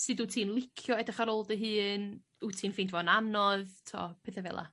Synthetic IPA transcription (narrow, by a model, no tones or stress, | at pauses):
sɨːduːtʰiːnlˠɪkʰjɔɛdɪχaɾoːlˠdəɦɨːn | utʰiːnfintʰvɔnamnɔðtʰo̰ːpʰɪθɛvɛ̰lˠa̰